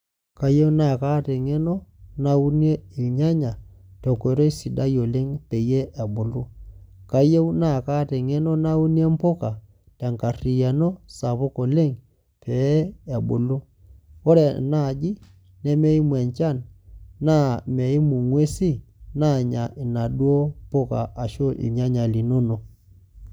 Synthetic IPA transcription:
ka˨je˦u˦na˦˨ka˦te˨ŋe˦nɔ˦na˦u˦n˦e˦i˨ɲa˦ɲa˨to˨ko˨˦ɾɔ˦i˦si˨da˦jo˨le˦ŋpe˨je˦ʔa˨bo˨lu˦ka˨je˦u˦na˦˨ka˦te˨ŋe˦nɔ˦na˦u˦ni˦e˦mpo˦ka˨ | ta˨ŋka˨ri˨ja˨no˦sa˨βo˦ko˨le˦ŋ | pʰɛ˨˦a˨bo˨lu˦ | o˦ɾɛ˨na˦˨d͡ʒi˦ | nɛ˦me˦i˦mwɛ˨ɲt͡ʃa˦˨nna˦me˨i˦mu˨ŋwe˦si˦na˦˨ɲa˨ʔi˨na˨ɗwo˦po˦ka̰˨ʔa˨ʃo˦ʔḭ˨ɲa˦ɲa˨li˨no˦no˨

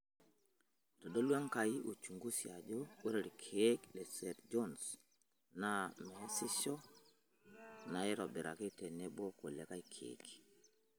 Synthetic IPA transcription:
to˨do˦lwa˦ŋka˨i˦ʔo˨t͡ʃu˨ŋɡu˦sia˨d͡ʒo˦o˦ɾe˨ɾi˨kʰe˦klɛ˨sɛ˨ɾd͡ʒɔ˦ns | na˦me˨a˦si˦sɔ˦ | na˨ɛ˦ɾɔ˨bɛ˨ɾa̰˨ki˦tɛ˨nɛ˦bo˦ko˨le˨ka˦i˦kʰḛk

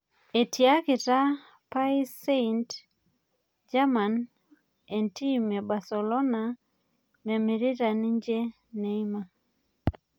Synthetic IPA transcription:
e˨tia˦kɪ˨ta˦ | pa˦i˦se˦int | d͡ʒa˦ma˨n | e˨nti˦mɛ˨ba˨se˨lɔ˦na˨ | me˨mi˨ɾi˦ta˨ni˦ɲd͡ʒe˦ | ne˨i˦ma˨

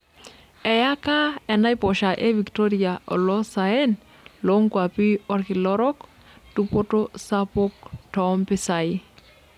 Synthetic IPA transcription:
ɛ˨ja˦ka˦ɛ˨na˦jpɔ˨ʃa˨ʔe˦vi˨kto˦ɾia˨ʔɔ̰˨lɔ˦sa˨e˦n | lo˨˦ŋkwa˨pi˦ɔ˦ɾkɪ˨lɔ˦ɾɔ˦k | tu˦po˦to˦sa˦po˦k̚tɔ˨˦mpɪ˦sa˨ɪ˦

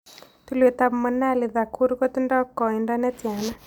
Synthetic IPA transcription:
t̪u˦le˨t̪a˧bmə˧na˦˨li˨ða˨kʰu˦ɾu˦kɔ˦t̪u˦nda˦kɔ˨i˨nda˦nɛ˦ti˨a˨na˦

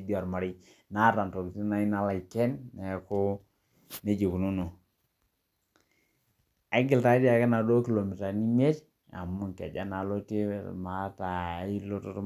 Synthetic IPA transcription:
di˦a˨ɾma˨ɾi˦ | na˦ta˨nto˨ki˨ti˦na˦i˦na˦la˨i˨ke˦nne˨˦ku˦ | ne˦d͡ʒi˨ku˨nu˦no˨ | a˦ɡi˨lta˨˦di˦a˨ke˦na˨do˦ki˨lo˨mi˨ta˨ni˦me˦t | a̰˨mu˦ŋkḛ˨d͡ʒa˦na˨lo˦ti˦ma˨ta˨˦i˦lo˦to˦t

